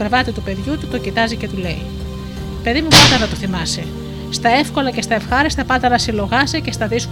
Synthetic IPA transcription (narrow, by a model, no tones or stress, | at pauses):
ɾevɐt̪it̪upe̞ðʝut̪ut̪o̞cit̪ɐzice̞t̪ule̞̰ḭ | pe̞ðimupɐnd̪ɐnɐt̪oθimɐse̞ | st̪ɐe̞fko̞lɐce̞st̪ɐefxɐɾist̪eɐpɐnd̪ɐnɐsilo̞ɣɐsece̞st̪ɐðisk